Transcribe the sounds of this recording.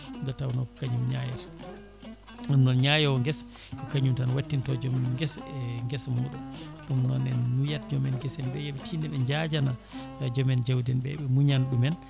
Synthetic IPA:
ŋɡatawnɔkɔ̥kaɲumɲajɛt | nɔnnɔnɲajɔwɔŋɡɛs | kɔkaɲumtanwatːintɔd͡ʒɔmmɡɛsɛŋɡɛsmmɔɗɔmɗumnɔnɛnːujatd͡ʒɔmɛnɡɛsɛnbɛjɛɓɛtʰinɛɓɛɲd͡ʒad͡ʒana | d͡ʒɔmɛnd͡ʒawdɛnbɛ̰ɓɛmuɲanɗumɛn

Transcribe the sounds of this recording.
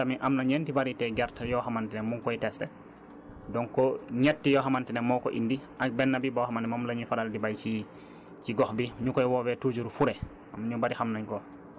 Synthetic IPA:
tamiʔamnaɲɛntibaɾitɛɡɛɾtajɔxamantɛnɛmuŋkɔjtɛstɛ | dɔŋkɔɲɛtːijɔɦamantɛnɛmɔkɔʔḭndiʔak̚bɛnːabibɔhamantɛmamlaɲufadaldibajt͡ʃi | t͡ʃiɡɔxbiɲukɔjwɔwɛtud͡ʒuɾfuɾɛ | amɲubaɾihamnaɲkɔ

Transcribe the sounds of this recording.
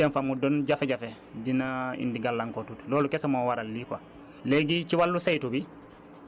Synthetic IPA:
ɛnfamudɔnɟafɛɟafɛ | dinaḭndiɡalːaŋkɔtutlɔːlukɛsamɔwaɾalːikwa | leɡit͡ʃiwalːusajtubi

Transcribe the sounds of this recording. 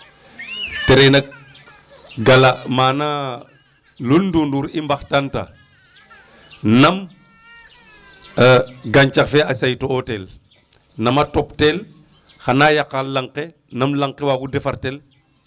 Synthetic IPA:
teɾenak̚ | ɡalamaːna | lulndunduːɾimbaxtanta̰ | nɐm | ɡaɲt͡ʃakfeasajtootel | nɐmatoptel | xanajakːalːaŋqe | namlaŋkewaɡudefaɾtel

